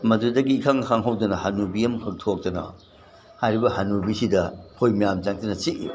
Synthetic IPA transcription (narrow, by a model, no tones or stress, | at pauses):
mɐdudɐɡiːkʰaŋhʰaŋɦawdɐnɐhanubiɐmhʰɯk̚tʰok̚tɐnɐ̰ | hajɾibɐhanubisidɐhʰojmijamt͡ʃaŋtɐnɐt͡ʃiʔḭ